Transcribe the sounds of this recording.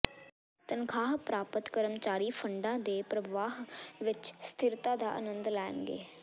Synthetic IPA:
t̪ənkʰaːɦpɾaːpət̪kəɾəmt͡ʃaːɾiːpʰəɳɖãːd̪eːpɾəʋaːɦʋɪt͡ʃst̪ʰɪɾt̪ãːd̪a̰ːʔə̰nə̃nd̪lɛːnɡḛː

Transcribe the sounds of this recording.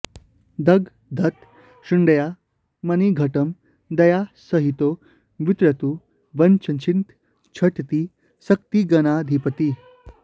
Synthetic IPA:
d̪əɡ | d̪ʱət̪ | ɕuɳɖəja | məniɡʱəʈəm | d̪ɐjasəɦit̪o | ʋit̪ɾət̪u | ʋənt͡ɕət͡ɕʰint̪ | t͡ɕʰəʈt̪i | səkt̪iɡənad̪ʱipət̪i

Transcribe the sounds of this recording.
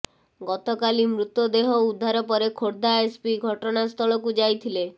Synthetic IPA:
ɡɔt̪ɔkalimɾut̪jɔd̪eɦɔud̪ʱːaɾɔpɔɾekʰoɽd̪aespiɡʱɔʈɔnast̪ʰɔlɔkud͡ʒajt̪ʰile

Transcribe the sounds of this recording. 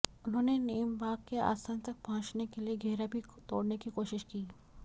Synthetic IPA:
ʊnɦõːneneːəmbaːɡkea̰ːsaːnt̪ɐk̚pɐɦʊ̃t͡ʃnekelieɡʱɛːɾabʱit̪oːɽnekikoːʃɪʃkiː

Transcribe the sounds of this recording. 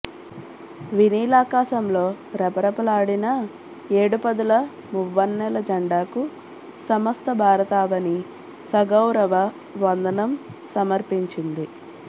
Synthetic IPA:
ʋiniːlaːkaːʃɐmlo̞ː | ɾɛpɐɾɐpɐlaːɽinɐ | eːɽupɐd̪ulɐ | muʋːɐnːɛlɐd͡ʒɐɳɖaːku | sɐmɐst̪ɐbʱaːɾɐt̪aːʋɐni | sɐɡɐwɾɐʋɐ | ʋɐnd̪ɐnɐmsɐmɐɾpiɲt͡ʃind̪i

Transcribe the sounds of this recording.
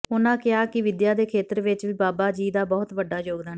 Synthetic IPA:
ʊnãːkɪaːkɪʋɪd̪jaːd̪eːkʰeːt̪əɾʋɪt͡ʃʋiːbaːbaːd͡ʒiːd̪aːbɔːt̪ʋəɖːaːd͡ʒoːɡd̪an

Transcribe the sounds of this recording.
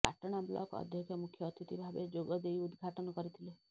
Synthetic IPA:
a̰ʈɔɽ̃ablɔ̰kɔ̰d̪ʱjɔkʰjɔmukʰjɔːt̪it̪ibʱabed͡ʒoɡɔd̪ejud̪ɡʱaʈɔnɔkɔɾit̪ʰile

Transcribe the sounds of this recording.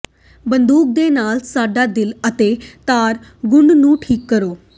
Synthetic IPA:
bənd̪uːk̚d̪eːnaːlsaːɖaːd̪ɪlət̪eːt̪aːɾɡʊɳɖnũːʈʰiːkːəɾoː

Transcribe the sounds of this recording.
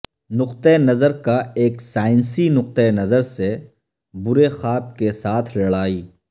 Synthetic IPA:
nʊqt̪eenɐzəɾkaeːksaːɪnsinʊq̚t̪enɐzəɾse | bʊɾexaːb̚kesaːt̪ʰlɐɽaːiː

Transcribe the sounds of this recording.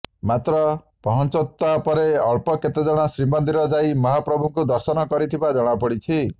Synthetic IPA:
mat̪ɾɔ | pɔɦɔnt͡ʃot̪ːapɔɾeɔɭpɔket̪ed͡ʒɔɽ̃ɔsɾimɔnd̪iɾɔd͡ʒajmɔɦapɾɔbʱuŋkud̪ɔɾsɔnɔkɔɾit̪ʰibad͡ʒɔɽ̃apɔɽit͡ʃʰi

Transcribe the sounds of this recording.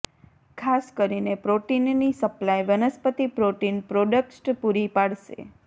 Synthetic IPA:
kʰaskəɾinepɾoʈinːisəplajʋənəspət̪ipɾoʈinpɾoɖəkʈpuɾipaɭʃḛ

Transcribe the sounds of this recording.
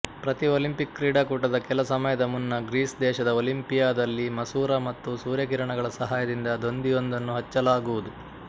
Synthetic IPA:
pɾɐt̪ioːlimpikːɾiːɽaːkuːʈɐd̪ɐkɛlɐsɐmɐjɐd̪ɐmunːɐɡɾiːsd̪ɛːʃɐd̪ɐoːlimpijaːd̪ɐlːimɐsuːɾɐmɐt̪ːusuːɾjɐk̬iːɾɐɳɐɡɐɭɐsɐɦaːjɐd̪ind̪ɐd̪o̞nd̪ijo̞nd̪ɐnːuɦɐt͡ʃːɐlaːɡuʋud̪u

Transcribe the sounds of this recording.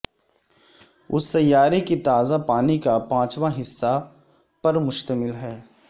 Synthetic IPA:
ʊ̰st̪ɐjaːɾikit̪aːzapaːnikapãːt͡ʃʋaɦɪsːa | pɐɾmʊʃt̪əmɪlɦɛː

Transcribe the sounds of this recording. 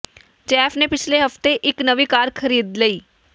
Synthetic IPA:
t͡ʃɛːpʰnẽːpɪt͡ʃʰleɦəft̪eʔɪknəʋiːkaːɾkʰəɾiːd̪ləiː

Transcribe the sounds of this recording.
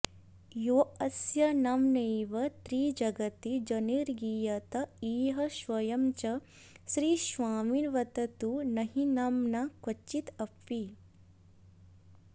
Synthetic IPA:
joːɐsjɐnɐmneːʋɐt̪ɾiːd͡ʒɐɡɐt̪id͡ʒɐniɾɡiːjɐt̪ɐiːɦɐʃʋɐjɐmt͡ʃɐ | ʃɾiːʃʋaːminʋɐt̪ɐt̪unɐɦinɐmnɐkʋɐt͡ʃːit̪ɐpʋi

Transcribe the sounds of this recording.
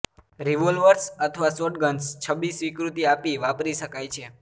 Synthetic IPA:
ɾiʋolʋəɾsət̪ʰəʋasoʈ̚ɡənst͡ʃʰəʋisʋikɾut̪iapiʋapɾiʃəkajt͡ʃʰe

